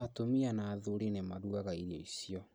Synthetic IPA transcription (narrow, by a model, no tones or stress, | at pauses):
atomianaːðuɾinemaðuaɣaiɾiɔisiɔ